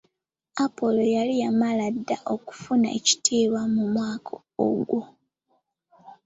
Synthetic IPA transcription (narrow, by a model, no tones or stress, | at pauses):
apo̞lo̞jalijamaladːaʔoku̥funa̰ḛci̥tʰeːβwamumwaːkʰo | o̰ɡwo